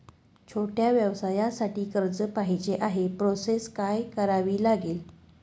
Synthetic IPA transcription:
t͡ɕʰoʈjaʋjəʋsajasaʈiːkəɾd͡zəpaɦid͡ʑeʔaɦepɾoseskajkəɾaʋiːlaɡeːl

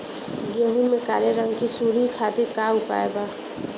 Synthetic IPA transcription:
ɡeɦumẽka̰ːɾeɾə̃ŋɡkisuːɾikʰaːt̪ɪɾkaʊpa̰ːeba

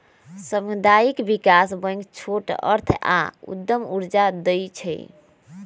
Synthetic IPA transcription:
səmd̪aikbikasbə̃ŋɡt͡ʃʰoʈə̰ɾt̪ʰa̰ṵd̪ːəmuɾd͡ʒad̪əjt͡ʃʰɛ̰j

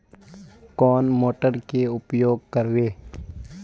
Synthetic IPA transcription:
kɔːnmoːʈəɾkeʊpjoːɡ̚kəɾweː

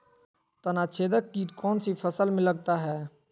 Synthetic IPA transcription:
t̪ənat͡ʃʰeːd̪əkːiːkɔːnsipʰəsəlmẽləɡ̚t̪aɦɛː

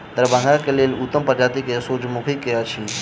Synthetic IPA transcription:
d̪əɾbʱãŋakeleːlut̪ːəmpəɾd͡ʒaːt̪ikesoːd͡ʒmukʰikːejat͡ʃʰi

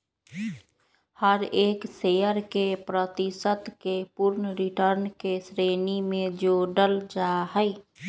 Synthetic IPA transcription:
həɾeːksejəɾkepɾət̪ɪsət̪kepʊɾnəɾɪʈəɾnkesɾeːnimẽd͡ʒoːɖəld͡ʒaɦɛɪ

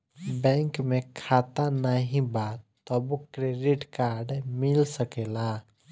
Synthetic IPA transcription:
bɛ̃ːŋkmẽkʰaːt̪anaɦĩbaːt̪ː | ɔbukɾeɖɪʈkaːɾɖmɪlsəkeːlaː

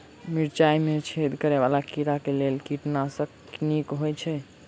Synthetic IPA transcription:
miɾt͡ʃajmet͡ʃʰed̪ʱkəɾɛβalakiɾakelelkiʈnasəkknikɦojt͡ʃʰɛ

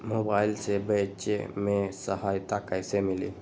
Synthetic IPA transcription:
moːbaːɪlsebɛːt͡ʃḛmẽsəɦaːjt̪akəjsemɪlḭ

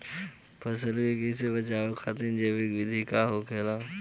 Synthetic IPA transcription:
pʰɐs̬əlkekeːs̬ebɐt͡ʃaːokʰaːt̪end͡ʒeːʋɪkʋɪd̪ʱikaɦokʰeːlaː

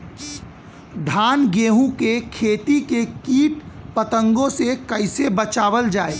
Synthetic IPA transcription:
ɖʱaːnɡeːɦũkekʰeːt̪ikekiːʈpət̪ə̃ŋɡõsekəɪsebət͡ʃaːʋəld͡ʒaːeː

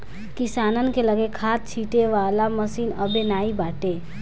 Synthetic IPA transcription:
kɪsaːnənkeləɡekʰaːt̪̚t͡ʃʰiːʈeʋaːlaməsiːnəbenaːibaːʈeː

